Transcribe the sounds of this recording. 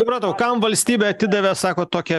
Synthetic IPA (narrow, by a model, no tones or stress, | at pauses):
sʊpɾɐt̪ɐʊkɐmʋɐlʲsʲt̪ʲiːbʲeɐt̪ʲɪd̪ɐʋʲɛsɑːkoːt̪oːkʲɛ